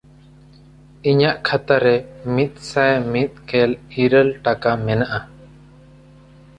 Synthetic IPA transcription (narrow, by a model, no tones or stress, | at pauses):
iɲaʔkʰat̪aɾɛmit̪̚ˀsajmit̪̚kɛliɾəlʈakamɛnaʔa